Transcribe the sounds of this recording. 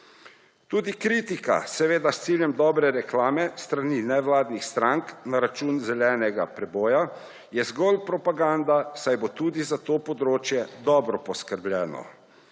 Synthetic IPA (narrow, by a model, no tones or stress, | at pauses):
t̪uːd̪ikɾiːt̪ika̰sɛʋeːd̪ast̪siːljɛmd̪ɔːbɾɛɾɛklaːmɛst̪ɾaninɛʋlaːd̪nixst̪ɾaŋknaɾat͡ʃuːnzɛlɛːnɛɡapɾɛbɔːja | jɛzɡɔlpɾɔpaɡand̪asajbot̪uːd̪izat̪oːpɔd̪ɾoːt͡ʃjɛd̪ɔːbɾɔpɔskəɾblʲjɛːnɔ̰